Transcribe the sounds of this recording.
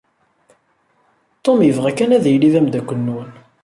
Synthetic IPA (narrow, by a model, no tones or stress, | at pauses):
t̪ˤːomjəvʁækænæðijliðæmd̪ækʷːənːun